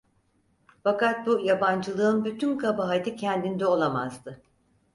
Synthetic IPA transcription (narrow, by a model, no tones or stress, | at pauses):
fakat̪̚bujaband͡ʒɯlˠɯɯnbyt̪ʰynkʰabaɦat̪ʰicʰɛnd̪ind̪ɛo̞lˠama̰zd̪ɯ